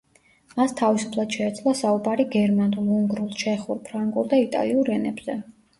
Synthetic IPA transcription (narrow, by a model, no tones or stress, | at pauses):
mast̪ʰavisu̥pʰlˠad̪̥ʃɛːt̪sʰlˠasaubaɾiɡɛɾmanulˠuŋɡɾulˠt͡ʃʰɛχuɾpʰɾaŋɡʼulˠd̪ait̪ʼa̰liuɾɛnɛbz̥ɛ